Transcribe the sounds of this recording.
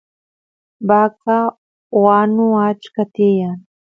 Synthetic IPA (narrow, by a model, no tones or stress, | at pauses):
baka | wanuat͡ʃkat̪ijan